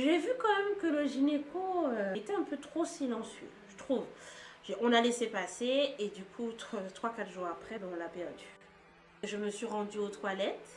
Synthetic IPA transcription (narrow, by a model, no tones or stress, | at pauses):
ʒevykɑ̃mɛmkələʒinekoøet̪ɛɛ̃pøt̪χosilɑ̃sjø̰ʒət̪χuvʒeɔ̃nalesepaseːd̪ykʰut̪t̪χwakat̪ʒuʁapχɛbɛ̃ɔ̃lapɛʁd̪y | ʒəməsɥiʁɑ̃d̪yot̪walɛt̪